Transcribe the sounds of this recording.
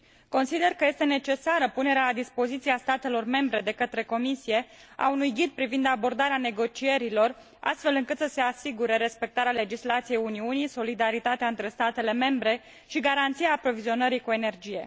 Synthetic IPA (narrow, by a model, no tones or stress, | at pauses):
ko̞nsid̪e̞rkəje̞st̪e̞ne̞t͡ʃe̞saɾəpune̞ɾealad̪ispo̞zit̪siast̪at̪e̞lo̞rme̞mbɾe̞d̪e̞kət̪ɾe̞ko̞misije̞a̰unujɡid̪̚pɾivind̪abo̞rd̪aɾeane̞ɡo̞t͡ʃie̞ɾilo̞r | a̰st̪fe̞lɨŋkɨt̪səse̞asiɡuɾe̞ɾe̞spe̞k̚t̪aɾeale̞d͡ʒislat̪sije̞juniuniso̞lid̪aɾit̪at̪eaɨnt̪ɾe̞st̪at̪e̞le̞me̞mbɾe̞ | ʃiɡaɾant̪sijaːpɾo̞vizio̞nəɾikue̞ne̞rd͡ʒije̞̰